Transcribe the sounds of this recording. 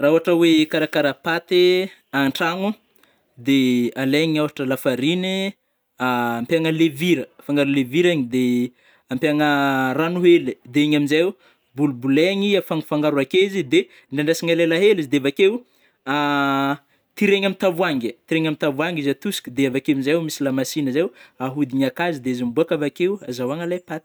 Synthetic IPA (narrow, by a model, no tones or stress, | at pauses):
rauɦaʈ͡ʂəwekaɾakaɾapat̪e | aɳʈ͡ʂaŋu | d̪ealeɲiaɦaʈ͡ʂəlafaɾini | aːmpaŋəleviɾəfaŋɡaɾuleviɾaɲid̪e | ampjaŋəranuɦelid̪eeɲaminza | bulubuleŋiafaŋfaŋɡaɾuakezid̪e | ɳɖ͡ʐaɳɖ͡ʐasiŋalelaɦelizid̪eavakew | a | t̪iɾeɲamit̪avuaŋɡit̪iɾeŋamit̪avuaŋɡizat̪usi̥kʲid̪eavakeminzaumisilamasinəzewaɦud̪iɲakazid̪eizimbuakavakewazawaŋalajpat̪